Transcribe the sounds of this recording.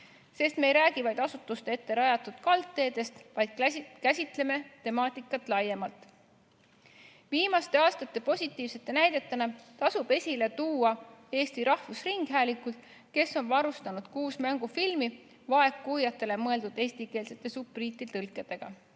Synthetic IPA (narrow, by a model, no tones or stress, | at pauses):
se̞st̪me̞jɾæːɡivɑjd̪̥ɑsut̪ːˑust̪ee̞t̪ːe̞ɾɑjɑt̪ːˑud̪̥kɑlt̪ːe̞ːd̪̥e̞st̪vɑjd̪̥̚kæsʲit̪ˑle̞me̞t̪e̞mɑːt̪ˑikːˑɑt̪ˑlɑjːe̞mɑlt̪ˑ | viːmɑst̪e̞ɑːst̪ɑt̪ːˑe̞po̞sʲit̪ːˑiːvse̞t̪ːˑe̞næjd̪̥e̞t̪ːˑɑnet̪ɑsub̥e̞sʲile̞t̪uːɑe̞ːsʲt̪iɾɑhvusriŋɡ̥ɦæːlikult̪ˑ | ke̞sːo̞nvɑɾust̪ɑnud̪̥kuːsmæŋɡ̥ufilmi | vɑe̞kːujɑt̪ːˑe̞le̞mɤe̞ld̪ud̪̥e̞ːsʲt̪ike̞ːlse̞t̪ˑːe̞supːriːt̪ːˑit̪ɤlkːˑet̪e̞ɡ̥ɑ